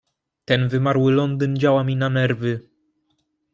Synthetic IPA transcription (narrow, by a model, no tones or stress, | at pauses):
t̪ɛnvɘmaɾwɘlɔnd̪ɘnd͡ʑawamʲinanɛɾvɘ